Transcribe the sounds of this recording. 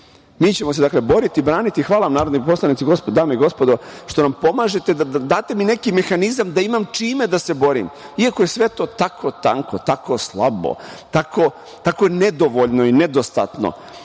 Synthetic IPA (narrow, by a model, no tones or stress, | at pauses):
miːt͡ɕe̞mos̬ed̪akle̞bo̞ɾit̪iːbɾaːnit̪ixʋaːlaamnaːɾod̪nip̬oslˠanit̪iɡo̞spod̪d̪aːmeiɡo̞spo̞d̪oʃt̪o̞nampo̞maːʒe̞t̪ed̪ad̪ad̪aːt̪e̞mine̞kime̞xanizamd̪aimamt͡ʂiːme̞d̪ase̞bo̞ɾḭm | iakoje̞sʋe̞t̪o̞ːt̪akʰo̞t̪a̰ŋkot̪ako̞slˠa̰bo̰t̪ako̞ | t̪ako̞jened̪o̞ʋoʎnoined̪ost̪a̰t̪no̰